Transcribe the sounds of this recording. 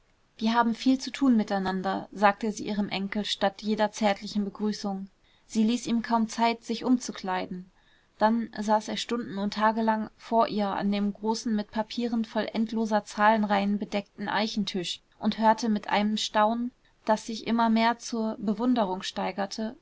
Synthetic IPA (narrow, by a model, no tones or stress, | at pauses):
v̥iːɐhaːbm̩fiːlt͡sutʰuːnmɪtaɪnandɐzaːk̚təziːʔiːʁ̞əmʔɛŋkl̩ʃtatjeːdɐt͡sɛɐtʰlɪçn̩bəɡʁyːsʊŋ | z̥iːliːsʔiːmkʰaʊmt͡saɪtz̥ɪçʔʊmt͡sukʰl̥aɪdn̩ | d̥anzaːseːɐʃtʊndn̩ʊntʰːaːɡəlaŋfoːɐʔiːɐʔa̰ndeːmɡʁoːsn̩mɪt̚pʰapʰiːʁənfɔlʔɛntʰloːzɐt͡saːlənʁaɪənbədɛk̚tn̩ʔa̰ɪçn̩tʰʏʃ | ʔʊnthøːɐtʰəmɪtʔa̰ɪnəmʃtaʊnən | d̥asz̥ɪçʔɪ̰mɐmeːɐt͡suːɐbəvʊndəʁ̞ʊŋʃtaɪɡɐtʰə